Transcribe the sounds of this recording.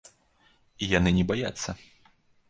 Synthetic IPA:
ijanɨnʲɛbajat̪sːɐ

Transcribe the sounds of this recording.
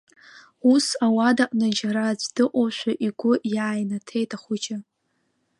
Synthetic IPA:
usawadaʔʼnad͡ʒaɾazʷdɨqʷʼoʃʷᶣaʔiɡʷʊjaːjnatʰe̞jtʼaχʷʊd͡ʒa

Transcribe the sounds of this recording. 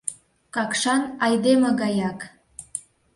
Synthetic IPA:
kɑkʃɑnɑjd̪emə̆ɣɑjɑk

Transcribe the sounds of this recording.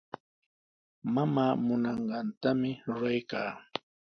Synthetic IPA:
mamaːmʊnɑɴɢɑnt̪amɪɾʊɾajkaː

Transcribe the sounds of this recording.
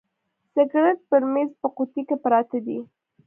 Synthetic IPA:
sɪɡɾat̪̚pəɾmezpəqut̪ikepɾɑt̪ad̪i

